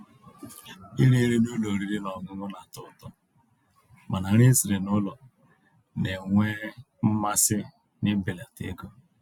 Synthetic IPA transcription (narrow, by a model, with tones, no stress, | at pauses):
i˦ɾi˦ɾe˦nu˦lo˨ɾi˦ɾi˦nɔ˨ɡʊ˦ŋʊ˦na˨tʊ˦tɔ˦ | ma˨na˨ɾɪ˦si˨ɾe˨nʊ˦lɔ˨ | ne˨ŋʷe˦ | m̩˦ma˦sɪ˦ | nɪ˦bɪ˨la˨tɪ̰˦ɡo˦